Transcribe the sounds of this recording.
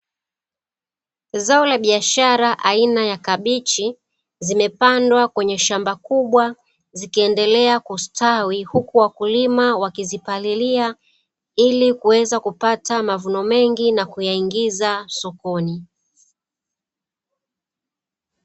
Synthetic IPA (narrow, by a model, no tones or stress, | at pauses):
zaɔlaɓiaʃaɾaʔainajakaɓit͡ʃi | zimɛpandwakwɛɲɛʃambakuɓwa | zikiɛndɛlɛakustawihukuwakulimawakizipalilia | ilikuwɛzakupatamavunɔmɛŋɡinakujaiŋɡizasɔkɔni